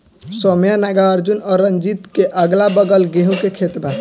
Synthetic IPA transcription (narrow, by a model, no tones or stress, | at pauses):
sɔmjanaɡaəɾd͡ʒunɔɾənd͡ʒit̪keʔəɡlabəɡəlɡeɦũkekʰet̪ba